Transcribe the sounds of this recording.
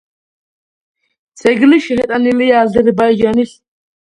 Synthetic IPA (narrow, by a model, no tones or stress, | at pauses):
t͡sʰɛɡliʃɛhɛt̪ʼanilijaːzɛɾbajd͡ʒanis